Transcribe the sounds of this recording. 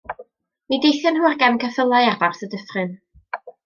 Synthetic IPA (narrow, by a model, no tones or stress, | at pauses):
midejθjənhuːrɡɛmkʰəθəlˠajavarθədəfrɨn